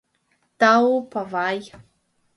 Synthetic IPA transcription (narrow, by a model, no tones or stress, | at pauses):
tawpavaj